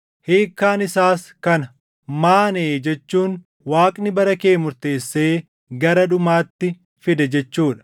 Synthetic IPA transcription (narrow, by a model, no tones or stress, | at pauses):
heːkːaːnɪsaːskɐnɐ | maːneːd͡ʒɛt͡ʃːuːn | waːkʼnɪbɐɾɐkeːmʊɾt̪e̞ːsːeː | ɡɐɾɐᶑʊmaːt̪ːɪ | fɪd̪ɐd͡ʒɛt͡ʃːuːᶑɐ̥